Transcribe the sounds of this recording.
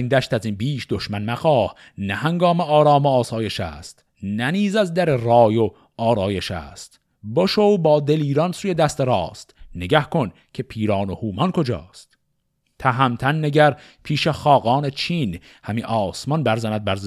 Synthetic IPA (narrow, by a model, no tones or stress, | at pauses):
ind̪æʃt̪æzinbiːʃd̪oʃmænmæxɒːh | næhæŋɡɒːmeɒːɾɒːmoːsɒːje̞ʃæ̰ːst̪ | næniːzæzd̪æɾerɒːjo | ɒːɾɒːje̞ʃæ̰ːst̪ | boʃowbɒːd̪e̞liːɾɒnsuːjed̪æst̪eɾɒːst̪neɡæhkʰo̞n | cʰe̞pʰiːɾɒːnohuːmɒnkʰo̞d͡ʒɒ̰ːst̪ | t̪ʰæɦæmt̪ʰænːeɟæɾpʰiːʃeχɒːɣɒːnet͡ʃʰiːn | hæmiʔɒːsmɒnbæɾzænæd̪̚bæɾ